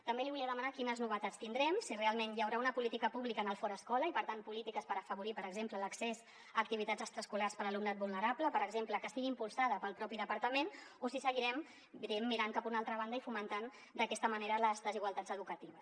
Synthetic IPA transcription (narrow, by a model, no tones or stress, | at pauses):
t̪əmbeliβuliəðəmanakinəznuβ̞ət̪at͡st̪ind̪ɾɛmsirealˠmenjəwɾaunəpulit̪ikəpuβlikənəlˠfɔɾəskɔləipəɾt̪anpulit̪ikəspəɾəfəβuɾipəɾəɡzemplələksez | əːk̚t̪iβ̞it̪ad͡zəst̪ɾəskularspəɾəlumnat̪̚βulnəɾapləpəɾəɡzempləkəst̪iɣimpulˠsaðəpəlˠpɾɔpiðəpəɾt̪əmenosisəɣiɾɛm | biɾɛmːiɾaŋkapunalˠt̪ɾəβ̞and̪əifumənt̪an | d̪əkɛst̪əməneɾələzðəziɣwalˠt̪ad͡zəðukət̪iβəs